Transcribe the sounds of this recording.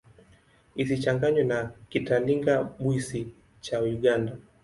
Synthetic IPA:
isit͡ʃaŋɡaɲwɛnakitaliŋɡaɓwisi | t͡ʃajuɠanda

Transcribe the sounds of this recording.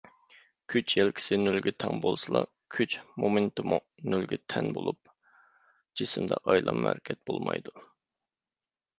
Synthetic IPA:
kʲʰyt͡ʃʰjɛlkʲʰɪ̥sɪnylɡʲɛt̪ʰɛŋbolˠsɨlˠɑ | kʲʰyt͡ʃmomɨnt̪ɨmu | nylɡʲɛt̪ʰɛnbolˠup̚ | d͡ʒɪsɪmd̪ɛʔɑjlˠʔɑmːæɾɪkʲʰɛt̪̚b̥olˠmɑjd̪u

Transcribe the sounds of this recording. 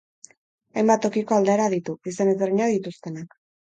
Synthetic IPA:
ajmbat̪ːo̞kiko̞ald̪eːɾaðit̪uisanezeriɲaðit̪ust̪e̞nak

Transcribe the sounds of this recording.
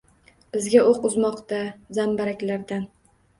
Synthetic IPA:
b̥ɪzɡʲaoqʊzmɒqt̪azambaɾakʲlaɾd̪an

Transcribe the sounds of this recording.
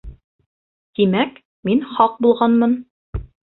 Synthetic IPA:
t̪imæk | minχɑq̚bulˠʁɑnmɤn

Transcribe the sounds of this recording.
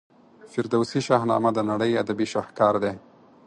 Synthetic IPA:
fɪɾd̪awsiʃɑɦnɑ̰mad̪ənaɽəjad̪abiʃahkɑɾd̪e

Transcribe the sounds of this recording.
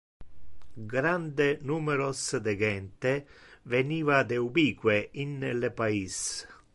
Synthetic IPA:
ɡɾand̪enuːmeɾosd̪eɡɛnt̪eveniːvad̪eubiːkweinːelepais

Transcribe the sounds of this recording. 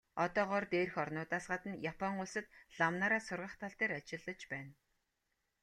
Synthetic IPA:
ɔt̪ɔːɢɔrt̪eːrxɔrnʊːt̪aːsɢat̪ə̆njapʰɔŋʊɮsə̆t̪ɮ̥amnaːɾaːsʊrʁə̆χt̪ʰaɬt̪eːɾat͡ɕɪ̆ɮːə̆t͡ɕpæːn

